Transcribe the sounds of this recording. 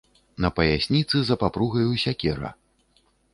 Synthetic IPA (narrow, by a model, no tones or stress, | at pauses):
nɐpɐjasʲnʲit̪sɨzɐpapɾuɣɐjusʲakʲɛɾɐ̰